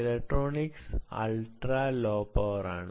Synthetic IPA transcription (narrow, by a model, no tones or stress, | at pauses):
lek̚ʈɾoːniksa̰lʈɾaːlɔːpɔːɾa̰n